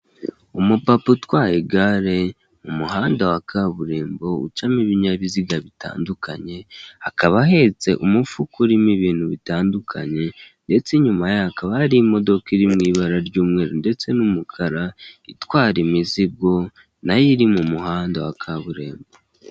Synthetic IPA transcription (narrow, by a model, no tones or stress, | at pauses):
umupaputwaːjeɡaɾe̞ | mumuɦaːndawakʰaβuɾe̞ːmbo̞ṵt͡ʃamiβiɲaβiziɡaβita̰ːndukʰa̰ɲe̞akaβaɦe̞t͡se̞ʔumufukuɾimiβiːn̥huβitaːndukʰa̰ɲe̞nde̞t͡siɲumajahakaβahaɾiːmo̞do̞kiɾimŋiːβaɾaɾɟuːmŋe̞ːɾonde̞t͡se̞numukʰaɾaitwaːɾimizib̚ɡo̞ | najiɾimumuhaːndawakʰaβuɾe̞ːmbo